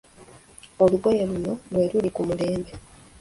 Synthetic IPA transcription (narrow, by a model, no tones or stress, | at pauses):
oluɡo̞jeluno̞lwe̞ːlulikumule̞ːmbe̞